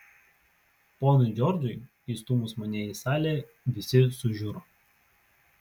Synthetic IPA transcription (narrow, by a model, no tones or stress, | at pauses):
poːnʊɪd͡ʒʲɔɾd̪ʊɪ | iːst̪ʊmʊsmɐnʲɛiˑsɑːlʲeː | ʋʲɪsʲɪsʊʒʲʊɾoː